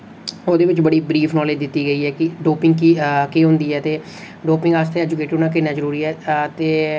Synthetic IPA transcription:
oːd̪eːʋɪt͡ʃbəɽiːbɾiːpʰnɔːleːd͡ʒd̪ɪt̪ːiːɡəiːɛːkɪɖoːpɪ̃ŋɡkkeːɦʊ̃nd̪iːɛːt̪eː | ɖoːpɪ̃ŋɡast̪ʰeɛːd͡ʒʊkeːʈənãːk̬ɪnaːzəɾuːɾiːɛːt̪eː

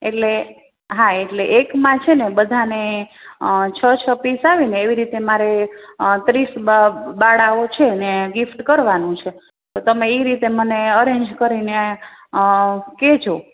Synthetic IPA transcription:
eʈle | ɦaeʈleʔekmãt͡ʃʰenebəd̪ʱane | t͡ʃʰət͡ʃʰəpisaʋineːʋiɾit̪emaɾet̪ɾisbaɽaot͡ʃʰeneɡifʈkəɾʋanũt͡ʃʰe | t̪ot̪əmeiɾit̪eməneəɾeɲd͡ʒkəɾine | ked͡ʒʰʱo

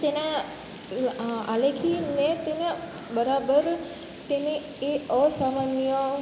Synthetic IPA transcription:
t̪enã | a̰lekʰinẽt̪ene | bəɾabəɾ | t̪ene | eɔsamanjo

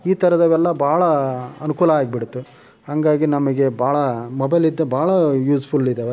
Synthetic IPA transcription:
iːt̪ʰɐɾɐd̪ɐʋɛlːɐbʱaːɭɐɐnukuːlɐaːɡbiɽut̪ːu | hɐŋɡaːɡinɐmɐɡe̞bʱaːɭɐmɔbɐjlid̪ːebʱaːɭɐjuːspʰulid̪eːʋe

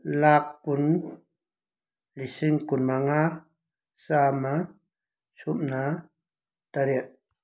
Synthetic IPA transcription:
lakkun | lisiŋkunmaŋa | sama | sumna | t̪aɾiəʔ

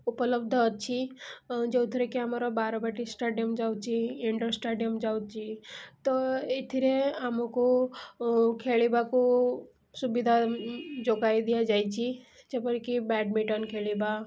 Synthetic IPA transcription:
upələb̚d̪ʱəːt̪t͡ʃʰid͡ʒet̪ʰɾekeəmaɾɔbaːɾbaʈisʈaːɖijəmd͡ʒaːw̪t͡ʃʰiɪ̃ɳʈəɾsʈaɖijəmd͡ʒawt̪̚t͡ʃʰit̪ɔɪt̪ʰiɾeamuko | kʰeːɭibako | subid̪ʱad͡ʒoɡaid̪ijad͡ʒaːjt͡ʃʰid͡ʒepəɾkibɛːɖmiʈənkʰeliba

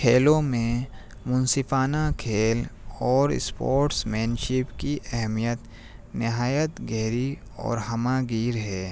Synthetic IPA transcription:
kʰeːlõmẽ | mʊnsɪfaːnakʰeːlɔːɾ̰spoːɾʈsmɛːnʃɪpkiʔɛɦmijət̪ | nɪɦaːjət̪ɡɛɦɾi | ɔ̰ːɾɦɐmaɡiːɾɦɛː

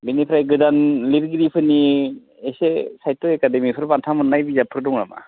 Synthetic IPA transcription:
binipʰɾajɡɯdanliɾɡiɾipʰɯni | esesajtoekademipʰɯɾbantʰamɯnnːajbizapʰɯɾdɔŋɾama̰

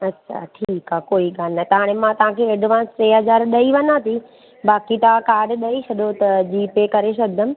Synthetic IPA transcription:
ɐtːʃʰa̰ʈʰiːkaːkoːiɡaːnat̪ɐɦaːɽ̃emãt̪ɐʋ̤ãkʰeɐɖʱɪʋãːsseːɦɐzaːɾɗɐiʋɐnãt̪i | baːkit̪ɐʋãkaːɖɗɐisɐɗ̪ot̪ɐd͡ʑiːpekɐɾes̬ɐd̪ʱəm

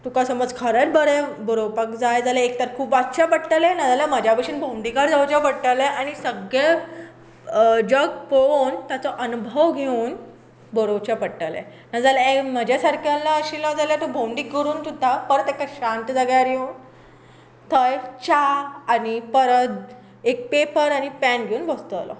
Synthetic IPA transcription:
t̪ukasəmbəd͡zkʰəɾət̪bəɾebəɾowpakd͡zajd͡zaleekt̪əɾkʰuːpat̪ːɕapəɽʈəlenad͡zalaməd͡ʑjapəɕinbʱõɖikaɾd͡zawt͡ɕapəɽʈəleʔañisəɡe | d͡ʑəɡpont̪jat͡sɔʔənubʱəʋɡʱeũːn | bəɾowt͡ɕapəɽʈəlḛ | nad͡zalaməd͡ʑjasaɾkʰalːaəɕilad͡zaljat̪obʱõwɳɖiːkəɾuːnt̪ʰut̪apəɾət̪ekaɕãnʈ̪d͡zaɡjaɾjeun | t̪ʰəjt͡ɕaːnipəɾət̪ | ek̚pepəɾaɽipænɡʱeuːnʋəst̪əlɔ̰

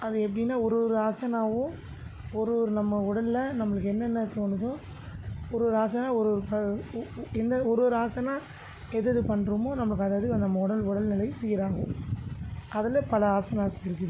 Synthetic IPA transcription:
ʔɐðɯɛpːɐɽinːaːɔɾɯʋɔɾɯaːsɐnaːʋɯ̃ | ɔɾɯʋɔɾɯnɐmːɐʊɽɐllɐnɐmːɐɭɯkːɛnːɛnːɐt̪oːnɯðʊ̃ | ɔɾɯʋɔɾɯaːsɐnaːɔɾɯʋɔɾɯpɐ | ɛnd̪ɐɔɾɯʋɔɾɯaːsɐnaː | ɛðɯðɯpɐɳːɾɯmoːnɐmːɐɭɯkːɐðaːðɯnɐmːɐʊɽɐlʊɽɐlnɪlɐɪsɛjːɪɾaːŋɡʊ̰̃ | ʔɐðɐlɐpɐlɐaːsɐnaːsɐɪɾɯkːɯðɯ

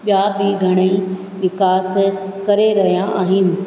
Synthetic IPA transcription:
ɓjaːbɪɡʱɐɽ̃əi | ʋɪkaːskɐɾeɾɐɦijãʔa̰ːɦɪnɪ̆

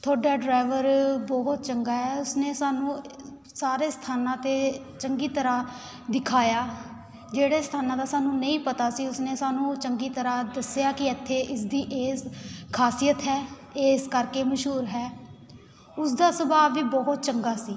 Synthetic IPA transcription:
t̪ʰoːɖaːɖɾaːʋəɾbɔːɦɔt̪t͡ʃəŋɡaːɦɛːʊsneːsaːnũː | saːɾeːst̪ʰaːnãːt̪eː | t͡ʃəŋɡiːt̪əɾãː | d̪ɪkʰaːjaː | d͡ʒeːɽeːst̪ʰaːnãːd̪aːsaːnũːnəĩːpət̪aːsiːʊsneːsaːnũːt͡ʃəŋɡiːt̪əɾãːd̪əsjaːkɪɪt̪ʰːeːʔɪsd̪iːʔeːskʰaːsijət̪ɦɛː | eːskəɾkeːməʃɦuːɾɦɛː | ʊsd̪aːsəbaːʋiːbɔɦɔt̪̚t͡ʃəŋɡaːsiː

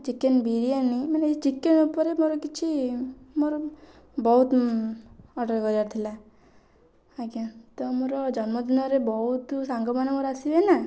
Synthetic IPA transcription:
t͡ʃikenbiɾianimanet͡ʃikenupɔɾemoɾɔkit͡ʃʰimoɾɔ | bɔɦut̪ | ɔɖɔɾɡɔd͡ʒaɾt̪ʰila | aɡat̪ɔmoɾɔd͡ʒɔnmɔd̪inɔɾebɔɦut̪saŋɡɔmanemoɾasibena

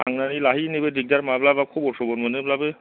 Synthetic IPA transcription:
aŋnanilaɦinibediɡ̚daɾmablabakʰubɔsɔbɔnmaneblabe

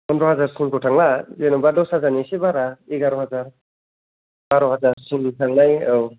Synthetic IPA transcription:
pɔndɾɔɦazaɾsunbɔtʰaŋlazenɔbadɔwsazanisebaɾaeɡaɾɔɦazaɾ | baɾɔɦazaɾsunbutʰaŋnajaw

